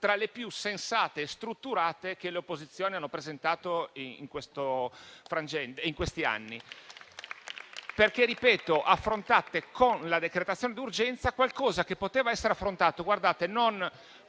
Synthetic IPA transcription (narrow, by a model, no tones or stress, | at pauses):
t̪ɾalepjusensaːt̪est̪ɾut̪ːuɾaːt̪ek̟eleopːozit̪sːjoːnianːopɾezent̪aːt̪oiḭŋkwest̪ofɾand͡ʒɛnt̪eiŋkwest̪ia̰nːi | perkerːipɛːt̪oʔafːɾont̪at̪ekʰonlad̪ekɾet̪at̪sːjoːned̪urd͡ʒɛnt̪sakwalkɔːzakepːot̪eːvaɛsːeɾeafːɾont̪aːt̪oɡward̪aːt̪enon